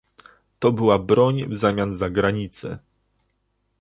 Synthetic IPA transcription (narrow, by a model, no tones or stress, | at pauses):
t̪ɔbɘwabɾɔɲvzamʲjanzaɡɾaɲit̪sɛ̰